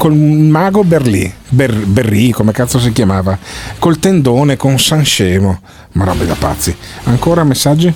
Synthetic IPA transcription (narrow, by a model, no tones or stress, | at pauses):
kolmaːɡoberlḭbeberːikomekat̪sːos̬ikjamaːvakolt̪end̪oːnekonsanʃɛːmo | maɾɔ̰bːḭd̪a̰pa̰t̪sːiaŋkoːɾamesːad͡ʒːi